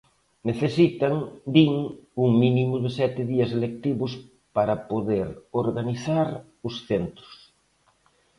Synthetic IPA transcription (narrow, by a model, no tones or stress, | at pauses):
neθesit̪aŋd̪iŋuŋminimʊðɪsɛt̪ɪðiɐselek̚t̪iβʊs | paɾɐpoðeɾoɾɣaniθaɾ | ʊsθent̪ɾʊ̥s